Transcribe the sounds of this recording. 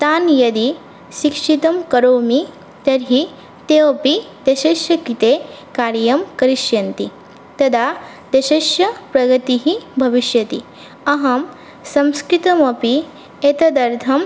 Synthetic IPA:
t̪aːnjɐd̪i | ʃikʂit̪ɐmkɐɾoːmi | t̪ɐɾɦi | t̪eːʋɐpid̪̥ɐʃeʃjɐkit̪eːkaːɾjɐmkɐɾiʃjɐnt̪i | t̪ɐd̪ʱa | d̪ɐʃɐʃjɐpɾɐɡɐt̪iɦibʱɐʋiʃjɐt̪ḭ | ɐɦɐm | sɐ̃mskɾit̪ɐmɐpi | et̪ɐd̪ɐɾd̪ʱɐm

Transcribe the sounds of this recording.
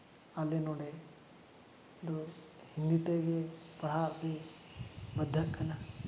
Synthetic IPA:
ɐlːenoːɽe | d̪u | hind̪it̪eɡepɐɽaːd̪e | bɐd̪ʱːɐkʰːɐnɐ

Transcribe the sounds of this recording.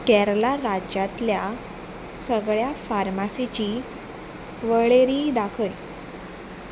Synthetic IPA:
kɛɾlaɾad͡ʑat̪lja | səɡɭjafaɾmasit͡ɕiː | ʋəɭeɾiːd̪akʰəj

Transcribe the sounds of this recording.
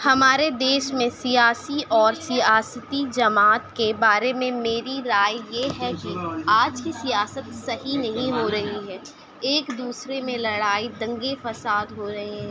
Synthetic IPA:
hɐmaːɾed̪eːʃmẽsijaːsiʔɔːɾsijaːsət̪id͡ʒɐmaːt̪kebaːɾemẽmeːɾiɾaːjjeɦɛkiaːd͡ʒkisijaːsət̪sɐɦinɐɦĩɦoɾɐɦiɦɛː | eːkd̪uːsɾemẽlɐɽaːid̪ɐ̃ŋɡefɐsaːd̪ɦoɾɐɦeɦɛ̃

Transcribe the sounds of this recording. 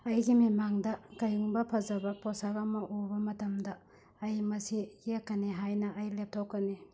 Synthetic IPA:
ɐjɡimimaŋdɐɡɐjuŋbɐpʰɐzɐbɐposakɐmɐʔubɐmɐtɐmdɐː | jmɐsijekːɐniɦajnɐʔːjlep̚tʰokːɐni

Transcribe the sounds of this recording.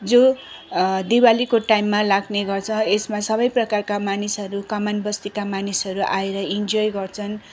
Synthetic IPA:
d͡zo | d̪iwalikoʈajmːalaɡneɡʌrt͡sʰʌ̃esmasʌbʌjprʌkarkamanisɦʌɾukʌmanbʌst̪ikamanisʌɾuʔaeɾʌind͡zojɡʌrt͡sʰʌn

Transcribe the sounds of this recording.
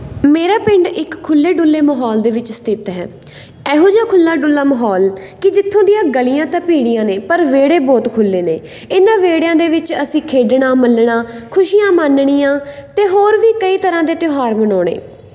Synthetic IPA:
meːɾaːpɪ̃ɳɖɪkʰːʊlːeːɖʊlːeːməɦɔːld̪eːʋɪt͡ʃst̪ɪt̪ɦɛ̰ː | ɛːɦõːd͡ʒaːkʰʊlːaːɖʊlːaːməɦɔːl | kɪd͡ʒɪt̪ʰːõːd̪ɪjãːɡəlijãːt̪ãːpiːɽ̃ijãːneːpəɾʋeːɽeːbɔːt̪kʰʊlːeːneː | ɪnãːʋeːɽjãːd̪eːʋɪt͡ʃəsĩːkʰeːɖɳãːməlɳaːkʰʊʃijãːmaːnɽ̃iːãːt̪eːɦoːɾʋiːkəiːt̪əɾãːd̪eːt̪ɪɦaːɾmənɔːɽ̃ḛː

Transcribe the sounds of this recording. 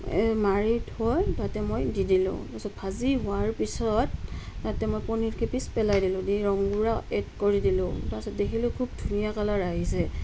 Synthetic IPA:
maɹitɔjtatɛmojdidilʊ̰̃tasɔtbʰʱaziɦʊaɹpisɔt̚ːatɛmojpɔniɹkʰipispɛlajdilʊ̃diɹɔŋɡuɹaɛd̚koɹidilʊ̰̃tasɔdekʰilʊkʰubdʱunijakalaɹaɦisɛ

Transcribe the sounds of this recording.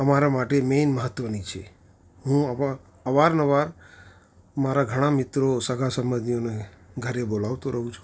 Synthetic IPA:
əmaɾamaʈemenməɦət̪ːʋənit͡ʃʰḛ | ɦũə | əʋaɾnəʋaɾ | maɾaɡʱəɽ̃ãmɪt̪ɾosəɡʱasəməd̪nijoneɡʱəɾebolaʋt̪oɾʔəɦũt͡ʃʰũ̥

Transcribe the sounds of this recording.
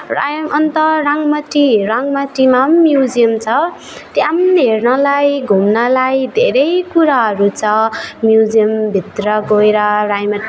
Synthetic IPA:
ra̰jmʔʌnt̪ʌraŋmʌʈːiɾaŋmaʈːimammjud͡zijʌmt͡sʰʌ | t̪jamɦernʌlajɡʱumnʌlajd̪ʱeɾʌjkuɾaɦʌɾut͡sʰʌmjud͡zijʌmbʱit̪rʌɡoeɾʌrajmʌʈi

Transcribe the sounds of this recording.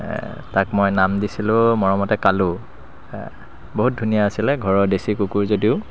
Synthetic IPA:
takmojnamdisilʊ̃mɔɹɔmɔtɛkalʊ̃ | boɦut̚dʱunijaasilɛɡʱɔɹɔdesikukuɹzodiʊ

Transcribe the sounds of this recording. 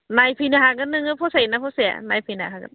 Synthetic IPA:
najpʰɯnaɦaɡɯnːɯŋɯpʰɔsajnapʰɔsia̰najpʰɯnaɦaɡɯ̰n̚

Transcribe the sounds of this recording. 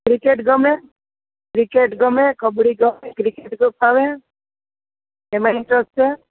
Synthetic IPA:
kɾɪkeʈɡəmẽ | kɾɪkeʈɡəmẽkəbɽiɡəmẽkɾɪkeʈɡəpʰaʋẽ | emaɪɳʈɾəsʈt͡ʃe

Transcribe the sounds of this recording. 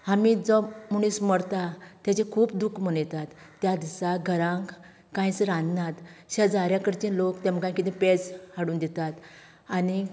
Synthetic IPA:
hamid͡zɔmuɽ̃isməɽt̪at̪jat͡ɕekʰuːpd̪ukʰmənjt̪at̪ːjad̪isaɡʱəɾãŋk | kãjsəɾãnd̪nat̪ɕad͡zaɾjakəɾt͡ɕĩlokt̪ɛ̃m̤əɡãkit̪ɛ̃ped͡zhaɽuːnd̪ɛt̪at̪ | ani

